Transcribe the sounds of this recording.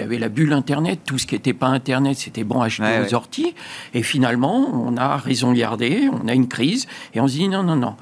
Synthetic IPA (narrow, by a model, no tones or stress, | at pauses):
ja̰vɛlabylɛ̃t̪ɛʁnɛt̪ːusə̥kʲiet̪ɛpaɛ̃t̪ɛʁnɛt̪se̥t̪ɛbɔ̃aʒt̪eosɔʁt̪iefinalmɑ̃ɔ̃naʁezɔ̃ɡa̰ʁd̪eɔ̰̃naynkχizeɔ̃s̬d̪inɔ̃nɔ̃nɔ̰̃